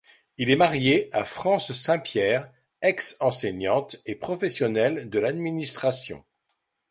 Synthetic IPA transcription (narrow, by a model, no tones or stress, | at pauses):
ilɛmaʁjeafχɑ̃sːɛ̃pjɛːʁ | ɛksɑ̃seɲɑ̃t̪epχɔfɛsjɔnɛld̪əlad̪minist̪χasjɔ̰̃